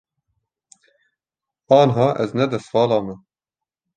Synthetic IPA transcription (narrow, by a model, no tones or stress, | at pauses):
ɑːnɦɑːʔɛznɛd̪ɛst̪fɑːlɑːmɛ